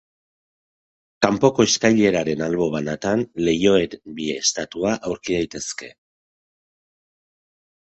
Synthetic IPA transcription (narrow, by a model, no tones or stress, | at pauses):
kampo̞ko̞eskajʎe̞ɾaɾe̞nalβo̞β̞anat̪anle̞jo̞ebieːst̪at̪uaʔawɾkiðajt̪e̞ske̞̰